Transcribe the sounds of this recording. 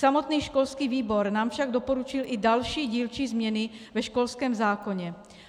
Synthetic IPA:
samot̪niːʃko̞lskiːviːbo̞ɾnaːmfʃaɡdo̞po̞ɾut͡ʃɪlʔɪdalʃiːɟiːlt͡ʃizmɲɛnɪvɛʃko̞lskɛːmzaːko̞ɲɛ

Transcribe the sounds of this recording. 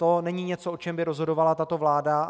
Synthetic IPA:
t̪o̞nɛɲɪɲɛt͡soʔot͡ʃɛmbɪɾo̞zɦo̞do̞valat̪at̪o̞vlaːda

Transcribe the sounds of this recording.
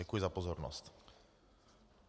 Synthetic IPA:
akujɛzapɔzɔɾnɔ̰sc

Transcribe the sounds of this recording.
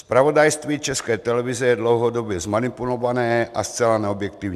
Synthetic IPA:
spɾaʋɔd̪ajst̪ʋiːt͡ʃɛskɛjt̪ɛlɛvizɛjɛd̪lɔwɦɔd̪ɔbjɛzmanipulɔvanɛːʔast͡sɛlanɛɔbjɛkt̪iːʊɲ

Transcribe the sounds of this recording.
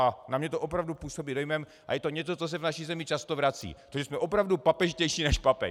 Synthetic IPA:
anamɲɛt̪oʔopɾavdupuːso̞biːdo̞jmɛm | ʔa̰jɛt̪o̞ɲɛt͡so̞t͡sos̬ɛvnaʃizɛmɪt͡ʃast̪ovɾat͡sḭːt̪oʒɛsmɛʔo̞pɾavdupapɛʒcɛjʃiːnɛʃpapɛ̰

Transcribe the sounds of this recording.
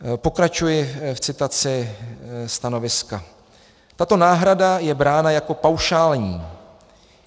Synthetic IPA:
po̞kɾat͡ʃujɪft͡sɪt̪at͡sɪ | st̪ano̞vɪska | t̪at̪o̞naːɦɾadajɛbɾaːnajako̞pawʃaːlɲiː

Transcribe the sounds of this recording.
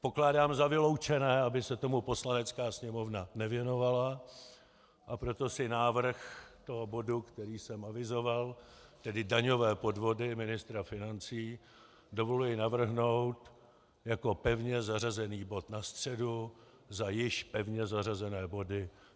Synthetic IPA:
po̞klaːdaːmzavɪlo̞wt͡ʃɛnɛːabɪsɛt̪o̞mupo̞slanɛt͡skaːsɲɛmo̞vnanɛvjɛno̞vala | ʔapɾo̞t̪o̞sɪnaːvr̩xt̪o̞ɦobo̞dukt̪ɛɾiːsɛmʔavɪzo̞valt̪ɛdɪdaɲo̞vɛːpo̞dvo̞dɪmɪnɪst̪ɾafɪnant͡siː | do̞vo̞lujɪnavr̩ɦno̞wt̪ | jako̞pɛvɲɛzarazɛniːbo̞t̪nast̪r̝̥ɛdu | zajɪʃpɛvɲɛzarazɛnɛːbo̞dɪ

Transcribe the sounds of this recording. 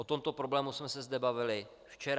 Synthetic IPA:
ʔot̪o̞mt̪o̞pɾo̞blɛːmusmɛsɛzd̪ɛbavɪlɪ | ft͡ʃɛɾ

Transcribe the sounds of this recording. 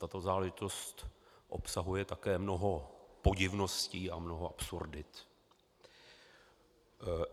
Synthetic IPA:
t̪at̪o̞zaːlɛʒɪt̪o̞st̪ʔo̞̰psaɦujɛt̪akɛːmno̞ɦo̞po̞ɟɪvno̞sciːamno̞ɦo̞ʔapsuɾdɪt̪

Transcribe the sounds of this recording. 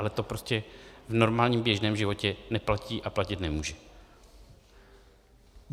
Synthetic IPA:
alɛt̪o̞pɾo̞scɛvno̞ɾmaːlɲiːmbjɛʒnɛːmʒɪvo̞cɛnɛplaciːʔaplacɪt̪nɛmuːʒɛ

